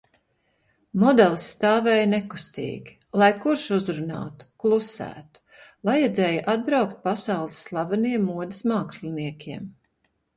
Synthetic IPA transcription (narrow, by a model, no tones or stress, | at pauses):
mɔd̪ɛlˠsːt̪aːvɛːjnɛku̥st̪ḭːɡʲi | lˠajkuɾʃuzɾuna̰ːt̪u̥klˠusæ̰ːt̪u̥ | vajɛd̪zɛːjʔad̪̚bɾawkt̪̚pasɑwlˠisːlˠavaniɛmːuɔd̪ɪsmaːkslʲiniɛkʲiɛm